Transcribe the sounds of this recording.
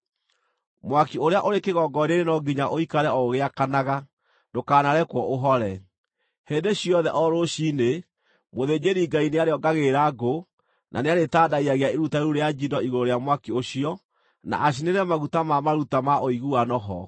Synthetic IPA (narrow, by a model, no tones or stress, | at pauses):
mwakioɾeaʔoɾekeɣɔɡɔɾeɾenɔɡiɲaʔoikaɾɛɔoɣeakanaɣa | dokaːnaɾɛkwɔʔoɦɔɾɛ | hendeɕiɔðɛʔɔɾoɕine | moðed͡ʑeɾiːɡaineaɾeɔɡaɣeɾaɡo | nʔa̰neaɾetadaiaɣeaeɾutaeɾuɾead͡ʒindɔiɣoɾoɾeamwakioɕiɔ | na̰ʔaɕ̬ineɾɛmaɣutamamaɾutamaoiɣuanɔɦɔ̰